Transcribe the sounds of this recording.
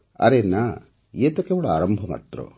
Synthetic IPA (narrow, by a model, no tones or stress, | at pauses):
ɐ̰ɾenːa | eːt̪ɐkːeʋɐɽɐa̰ːɾɐmbʱɐmɐ̰t̪ɾṵ